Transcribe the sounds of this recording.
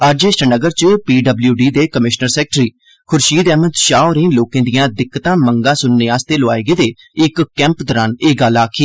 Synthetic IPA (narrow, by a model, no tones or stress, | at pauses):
əɾd͡ʒeːsʈənəɡəɾt͡ʃəpiːɖəbljuːɖiːd̪eːkəmɪʃnəɾsɛːk̚ʈɾiː | kʰʊɾʃiːd̪ɛːmət̪ʃaːɾẽːloːkẽːd̪ijãːd̪ɪkːət̪ãːməŋɡãːsʊnːeːaːst̪eːlʊaːeɡeːd̪eː | ɪkːɛ̃ːmpd̪əɾaːneːɡalːaːkʰiː